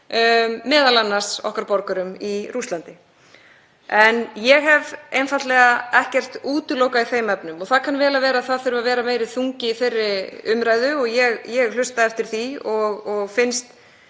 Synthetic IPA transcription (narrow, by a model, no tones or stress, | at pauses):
ɛːðalanːḁsɔ̰hkaɾpɔɾkʏɾʏmirust̪lant̪ɪ | ɛnjɛɣɦɛvejnfat̪lɛɣaɛhcɛr̥t̪uːt̪ʏlowkaiθejmɛpnʏmɔθaðkʰanvɛːlavɛːɾaðθaðθʏɾvavɛːɾameːjɾɪðθuŋcɪiθerːɪʏmɾaːjðʏɔɣjɛɣjɛɣl̥ʏst̪aɛft̪ɪɾ̥θiɔɣɔɣfɪnst̪